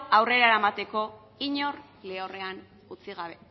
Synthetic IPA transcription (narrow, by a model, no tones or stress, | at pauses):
awre̞ɾaeɾamat̪e̞ko̞ | iɲo̞r | le̞ore̞an | ut͡siɣaβ̞e̞